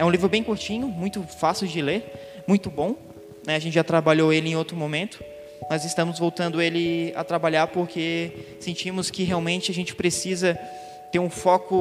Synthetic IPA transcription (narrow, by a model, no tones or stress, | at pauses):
ɛũlivɾʊbẽj̃kuɾt͡ʃĩɲʊmũj̃t̪ʊfasɪwd͡ʒɪleɾ | mũj̃t̪ʊbõw̃ | nɛɐʒẽnt͡ʃɪʒat̪ɾabaʎoelɪẽowt̪ɾʊmõmẽnt̪ʊ̥ | nɔzɪst̪ɐ̃mʊzvowt̪ɐ̃nd̪ʊelɪa̰t̪ɾabaʎaɾpoɾkʰesẽnt͡ʃĩmʊskɪɦeawmẽnt͡ʃɪaʒẽnt͡ʃɪ̥pɾesizɐ | t̪eɾũfɔkʊ